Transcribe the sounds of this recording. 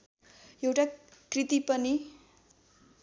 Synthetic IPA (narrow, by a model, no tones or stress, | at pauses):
ewʈakrit̪ipʌni